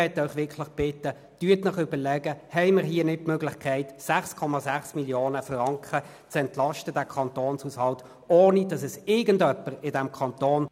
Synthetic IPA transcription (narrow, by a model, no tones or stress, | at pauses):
ɛtœʏχʋɪkʰlɪχb̥ɪtːə | tyːətnɪχʏbəlɛɡəhɛɪmɪʁɦiːənɪt̚møːɡlɪχkʰɛɪtsæχskʰɔmɑzæχsmiljoːnəfʁɑŋkχə | t͡sɛntlɑʃtədæːkʰɑntoːnshushɑlt | oːnidɑsɛsɪɡəndœpːəʁɪdɛmkʰɑnt̪oːn